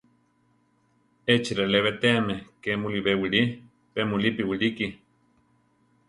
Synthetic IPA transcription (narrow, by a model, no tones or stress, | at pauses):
et͡ʃiɾeleβet̪eamekemuliβewiɾi | pemulipiwiɾiki